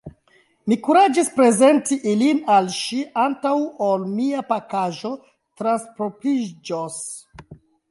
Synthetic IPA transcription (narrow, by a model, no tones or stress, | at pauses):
mikuɾad͡ʒispɾe̞ze̞ntiʔilinalʃiʔantawolmiapakaʒo̞ | tɾanspɾopɾid͡ʒos